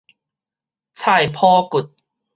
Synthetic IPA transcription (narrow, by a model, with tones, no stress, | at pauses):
t͡sʰa˥˧˩jpʰɔː˦ku˨˩t̚